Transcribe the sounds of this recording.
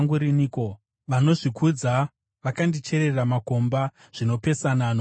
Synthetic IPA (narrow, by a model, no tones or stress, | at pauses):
ŋɡuɾiniko̞ | ʋano̞ʐikud͡za | ʋakandit͡ʃe̞ɾe̞ramako̞mba | ʐ̥ino̞pe̞sanano